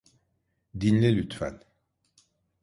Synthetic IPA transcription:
d̪inlʲɛlʲyt̪fæ̰n

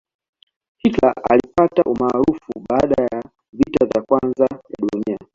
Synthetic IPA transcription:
kikla̰alipataʔumaːɾufuɓaːɗaja | vitavjakwanzaja̰ɗunia

